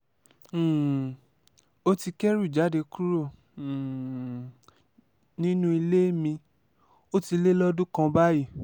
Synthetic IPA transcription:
o˦ti˧kɛ˦ɾu˦˨d͡ʒa˨˦de˧ku˦ɾõ˦˨ | nĩ˦nũ˦i˧le˦mĩ˧ | o˦ti˧le˦lɔ˦dũ˦kã˧ba˦i˦˨

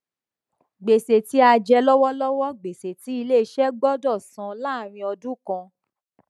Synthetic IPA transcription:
ɡ͡be˨se˨ti˨˦a˧d͡ʒɛ˧lɔ˦wɔ˦lɔ˦wɔ˦ɡ͡be˨se˨ti˨˦i˧le˦˨˧ʃɛ˦ɡ͡bɔ˦dɔ˦˨sã˨˦la˦˨ɾ̃ĩ˧ɔ˧dũ˦kã˧

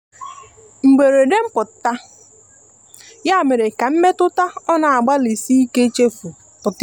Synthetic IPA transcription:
ŋ͡m̩˨ɡ͡be˨ɾe˨de˦m̩˦pʊ˨ttːa˦ | ja˦˨me˨ɾe˨ka˨m̩˦me˦tʊ˦ta˦ɔ˦na˨a˨ɡ͡ba˦li˨si˦i˦ke˦t͡ʃe˦fu˨ | pʊ˨tɪ˦

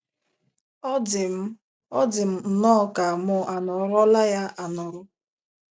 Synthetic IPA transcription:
ɔ˦dɪ˨m̩˨n̩˨nɔ˦˨ka˨mʊ˦ʔa˨nʊ˨˦ɾɔ˦la˦ja˦ʔa˨nʊ˨ɾʊ˦

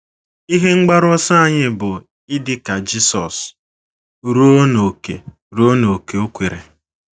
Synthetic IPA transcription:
i˦ɦe˦ŋ͡m̩˦ɡ͡ba˦ɾɔ˦sa˦a˦˨ɲɪ˦bʊ˨ | ɪ˦dɪ˦ka˨d͡ʒi˦sɔ˨s | ɾu˦o˦no˨kḛ˨ | ɾo˦o˦no˨ke˨o˦kʷe˨ɾḛ˨

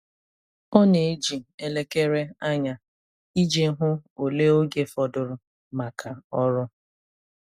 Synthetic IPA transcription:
ɔ˦ne˨˦d͡ʒi˨e˨le˦ke˦ɾe˦a˦ɲa˨ | i˦d͡ʒe˦ɦʊ˦o˨le˦o˦ɡe˦fɔ˨dʊ˨ɾʊ˨ | ma˨kʰa˨ɔ˦ɾʊ˦

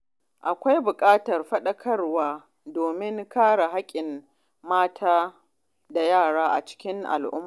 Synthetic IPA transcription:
ʔa˨kʷa˦jbʊ˨kʼaː˦tɐ˨rɸɐ˦ɗɐ˦kʰɐ˦rwaː˦ | doː˨mɪ˦ŋkaː˦ɽa˨ɦa˦kʲʼɪ˨m | maː˦tʰaː˦ | da˨jaː˦˨ɽaː˦ʔa̰˨t͡ʃɪ̥˦kʲɪ˦ŋʔa̰˨lʔʊ̰˦mː˨

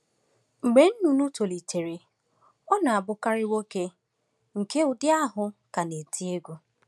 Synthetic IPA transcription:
ŋ͡m̩˨ɡ͡be˨˦n̩˦nu˨nu˦to˨li˨tʰe˨ɾe˨ | ɔ˦na˨a˨bʊ˦ka˦ɾɪ˦wo˦ke˦ | ŋ̩˨ke˦ʊ˨dɪ˦a˦ɦʊ˨ka˨ne˨ti˦e˦ɡʷu˦

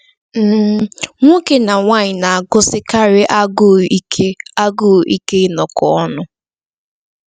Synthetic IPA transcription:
m̩ː˦˨ŋʷo˦ke˨na˨ŋʷa˦ɲɪ˨na˨a˨ɡʊ˦sɪ˦ka˦ɾɪ˦ʔa˦ɡʊ˦˨˦e˦a˦ɡo˦˨ʔi˦ke˦nɔ˨kɔ˨ɔ˦nʊ˦

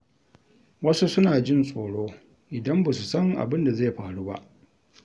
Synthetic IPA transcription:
wɐ˦su˦sʊ˦naː˨d͡ʒɪ˦˨nsʼoː˨ɽoː˦ | ʔɪ˨dɐ˦mba˨su˨sɐ˦ŋʔa̰˨bɪ˦nda˨za˦˨ɸaː˨ɽuː˦ba̰˦ʔ

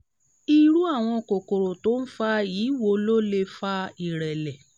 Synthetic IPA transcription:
i˦˧ɾu˦a˦˨w̃ɔ̃˧ko˨ko˨ɾo˨to˦n̩˦fa˦jiː˨˦wo˧lo˦le˧fa˦i˨ɾɛ˨lɛ˨

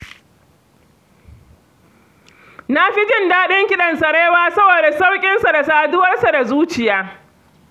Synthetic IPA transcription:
na˦ɸi˦d͡ʒɪ˦ndaː˦ɗɪ˦ŋkʲɪ˦ɗɐ˨nsɐ˨ɽeː˦waː˦sɐ˦boː˨da˨sa˦wkʲʼɪ˦nsa˨da˨saː˨dʊ˦wɐ˦rsa˨da˨zuː˦t͡ʃɪ˨jaː˦

